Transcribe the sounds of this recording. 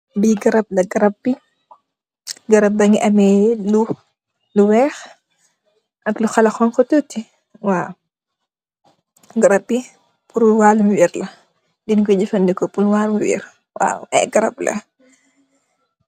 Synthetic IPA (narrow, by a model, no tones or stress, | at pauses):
biɡɐɾɐb̚lɐɡɐɾɐpːi | ɡɐɾɐp̚bɐŋiʔɐmɛlu | luwɛːx | ʔɐkluxɐlɐxɔnkɔtutːi | waw | ɡɐɾɐbi | puɾuwaːlmuwiːɾlɐ | dinkɔd͡ʒifɐndikɔpulwaːlmuwḭɾ | wa̰ːwɛ̰ɡɐɾɐ̰plɐ̰